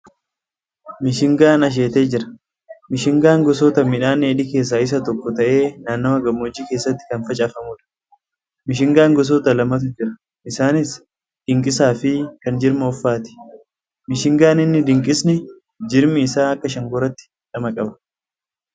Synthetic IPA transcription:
mɪʃɪŋɡaːnɐʃ̬eːt̪e̞ːd͡ʒɪɾɐ̥ | mɪʃɪŋɡaːŋɡɔs̬oːt̪ɐmɪᶑaːneːᶑɪke̞ːs̬ːaːɪs̬ɐt̪ɔkːɔt̪ɐʔe̞ːnaːnːomɐɡɐmːoːd͡ʒːiːke̞ːsːɐt̪ːɪ̥kɐnfɐt͡ʃʼɐfɐmʊːᶑɐ̥ | mɪʃ̬ɪŋɡaːŋɡɔs̬oːt̪ɐlɐmɐt̪̬ʊd͡ʒɪɾɐ | ɪsaːnɪs | d̪̥ɪŋkʼɪsaːfɪkɐnd͡ʒɪɾmɐɔfːaːt̪ɪ̥ | mɪʃɪŋɡaːnɪnːɪd̪ɪŋkʼɪsnɪ | d͡ʒɪɾmɪːsaːɐkːɐʃɐŋɡɔɾɐt̪ːɪ̥ | ᶑɐmɐkʼɐbɐ̥

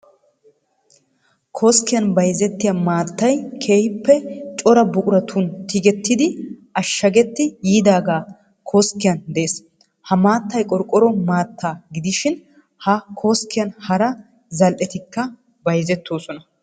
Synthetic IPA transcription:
kʰoːskːɪjɐnbɐjzɛt̪ːɪjɐmaːt̪ːɐjkʰe̞ːhɪpːɛt͡ʃʼɔɾɐbʊkʼʊɾɐt̪ʰunt̪ɪɡɛt̪ːɪd̪ɪʔɐʃːɐɡɛt̪ːɪjiːd̪aːɡaː | kʰoːskːɪjɐnd̪ɛeːs | hɐmaːt̪ːɐjkʼɔɾkʼːɔɾɔmaːt̪ːaːɡɪd̪ɪʃɪn | hɐkʰoːskːɪjɐnhɐɾɐ | zɐlʔɛt̪ɪkːɐ | bɐjzɛt̪ːo̞ːsɔnɐ

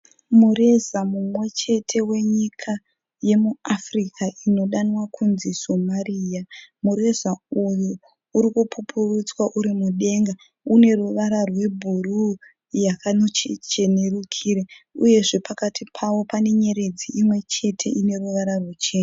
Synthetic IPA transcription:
mure̞zamumwe̞t͡ʃe̞tʰe̞we̞ɲikʰa | je̞muafrikʰaʔino̞ɗanwakʰunzisomarijamuɾe̞zauju | uɾikupʰupʰurut͡swaʔuɾimuɗe̞ŋɡa | une̞ruʋaɾarwe̞bʱuru | jakanot͡ʃet͡ʃe̞ne̞rukʰiːɾeuje̞ʐe̞pakatʰipʰawo̞pane̞ɲe̞ɾed͡ziʔimwe̞t͡ʃe̞tʰe̞ine̞ruʋaɾarwet͡ʃeːna

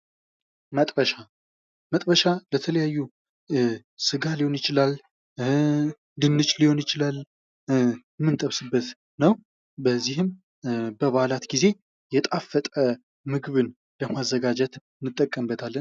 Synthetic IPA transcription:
mət̪ʼbəʃa | mət̪ʼbəʃalət̪ʰələjajːu | sɨɡalihonjɪt͡ʃɪlal | d̪ɨnːɨt͡ʃʼliho̞njɪt͡ʃɪlal | ɛmːɨnt̪ʼəβsɨbːət̪ | nəw | bəzːihɨm | bəβaalat̪ɡize̞ | jɛt̪ʼafːət̪ʼə | mɨɡβɨn | ləmazːəɡad͡ʒɛt̪ɨnːɨt̪ʼːəkʼːəmbət̪ʰalːən

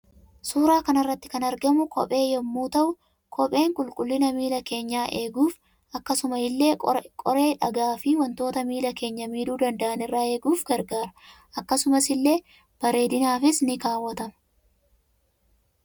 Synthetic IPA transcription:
suːɾaːkɐnɐrːɐt̪ːɪ̥kɐnɐɾɡɐmʊkɔ̰pʼe̞ːjɛmːuːt̪ɐʔʊ | kʰɔpʼe̞ːŋkʼʊlkʼʊlːɪnɐmiːlɐke̞ːɲːaːʔe̞ːɡuːf | ɐkːɐsʊmɐɪlːe̞ːkʼɔɾe̞ːᶑɐɡaːfɪwɐnt̪o̞ːt̪ɐmiːlɐke̞ːɲːɐmiːd̪uːd̪ɐnd̪ɐʔɐnɪrːaːe̞ːɡuːfɡɐɾɡaːɾɐ | ʔɐkːɐsʊmɐsɪlːe̞ː | b̥ɐɾe̞ːd̪ɪnaːfɪsnɪkaːwːɐt̪ɐmɐ

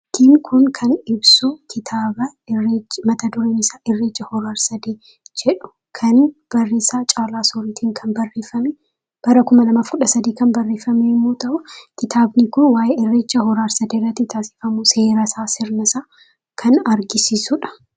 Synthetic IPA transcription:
t̪ʰɪmkʰʊnkʰɐnɪbsʊkʰɪt̪ʰaːbɐ | ɪrːeːt͡ʃːmɐt̪ɐd̪ʊɾeːnɪsaːʔɪrːeːt͡ʃːɐhɔɾaːɾsɐd̪eː | d͡ʒɛᶑʊ̥ | kʰɐnb̥ɐrːeːsaːt͡ʃʼaːlaːsoːɾiːt̪ʰiːŋkʰɐnbɐrːe̞ːfɐmɛ | b̥ɐɾɐkʊmɐlɐmaːfkʊᶑɐsɐd̪iːkɐnbɐrːe̞ːfɐmemːoːt̪ɐʔʊkɪt̪ʰaːbnɪkʊnwaːjeɪrːe̞ːt͡ʃːɐhɔɾaːɾsɐd̪eːrːɐt̪ːɪt̪ʰaːsɪ̥fɐmʊse̞ːɾɐsaːsɪɾnɐsaː | kʰɐnɐɾɡɪsiːsʊᶑɐ̥

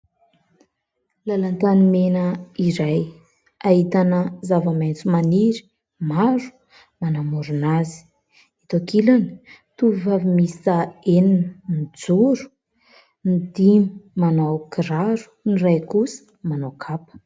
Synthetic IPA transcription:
lalant̪animenəiɾaj | ait̪anəzavəmejnt͡sumaniɾi̥ | maɾu̥ | manamuɾunazi̥ | it̪okilanit̪uvivavimisaeninnid͡zuɾu̥ | nid̪imimanawkiraɾu̥nirajkusə̥ | manawkʰapə̥

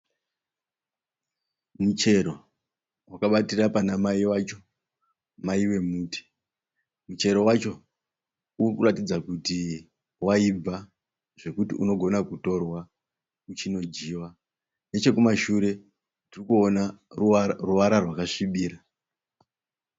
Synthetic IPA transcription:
mut͡ʃe̞ɾo̞ | wakaɓatirapanamaiwat͡ʃo̞ | maiwe̞muːti̥ | mut͡ʃe̞ɾo̞wat͡ʃo̞ | urkuratid͡zakuti | waib͡va | ʐ̥e̞kutḭṵno̞ɡʱo̞nakuto̞rwa | ut͡ʃino̞d͡ʒiːwa | ne̞t͡ʃe̞kumaʃuɾe̞ | tirikuona | ruʋaɾarwakaʂiɓiːra

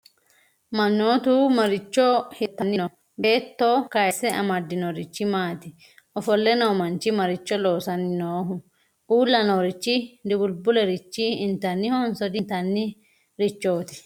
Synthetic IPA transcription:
mɐnːo̞ːt̪uːmɐɾɪt͡ʃːɔhɪt̪ːɐnːɪnɔ | be̞ːt̪ːo̞ːkɐjɛsːɛʔɐ̰mɐd̪ːɪnɔɾɪt͡ʃːɪmaːt̪ɪ | ʔɔfɔlːɛnɐwmɐnt͡ʃɪmɐɾɪt͡ʃːɔlo̞ːsɐnːɪnoːɦʊ | ʔuːlːɐnoɾɪt͡ʃːɪd̪ɪɡʊlbʊlɛɾɪt͡ʃːɪɪnt̪ɐnːɪhɔnsɔd̪ɪnt̪ɐnːɪ | ɾɪt͡ʃːo̞ːt̪ɪ̥

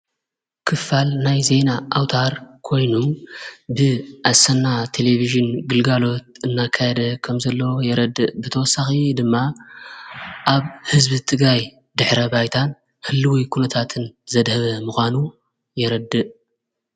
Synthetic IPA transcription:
kʰɨfalnajze̞naʔawt̪ʰaɾkʰo̞jnumbɨʔasɐnːat̪ʰe̞leviʒɨnɡɨlɡalo̞t̪̚ɨnːakʰːajɛd̪ɐkʰɐmzɐlːowjɛɾɐd̪ːɨʔbɨt̪ʰɐwɔsːaxid̪ɨmːa | ʔaβhɨzbɨt̪ʰɨɡɾaj | d̪ɨħɾɐbajt̪ʰan | hɨlːɨwikʰunɐt̪ʰat̪ʰɨnzɐd̪hɐβɐmuxʷanu | jɛɾɐd̪ːɨʔ

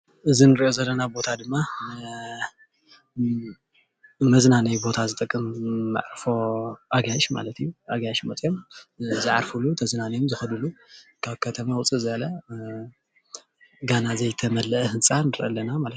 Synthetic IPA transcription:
ʔɨzinɨɾiʔo̞zɐlːɐnabo̞t̪ʰad̪ɨmːa | mɐznanɐjbo̞t̪ʰazɨt̪ʼɨkʼːɨmːa̰ʕɾfo̞ʔaɡaʃma̰lɐt̪ʰijːuʔaɡajʃmɐt͡sʼjomzɨʕa̰ɾfulut̪ʰɐznanɐjomzɨxɐd̪ulukʰaβkʰɐt̪ʰɐmawʊt͡sʼɨzɐlɐ | ɡanazɐjt̪ʰɐmɐlɐʔhɨnt͡sʼanɨɾʔɐ̰lːɐnamalɐt̪

